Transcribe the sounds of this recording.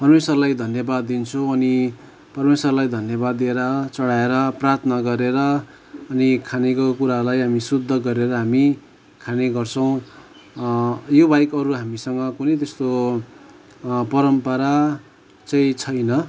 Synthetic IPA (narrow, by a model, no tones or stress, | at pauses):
pʌrmeswʌrlajd̪ʱʌnjʌbad̪ːint͡sʰuʌni | pʌrmeswʌrlajd̪ʱʌnjʌbad̪ːieɾʌt͡sʌɽaeɾʌprart̪ʰʌnʌɡʌɾeɾʌː | nikʰanekokuɾalajɦamisud̪ʱːʌɡʌɾeɾʌɦami | kʰaneɡʌrt͡sʰʌ̃w̃ | jobajkʌɾuɦamisʌŋɡʌkunʌjt̪est̪o | pʌɾʌmpʌɾa | t͡saĩt͡sʰʌjnʌ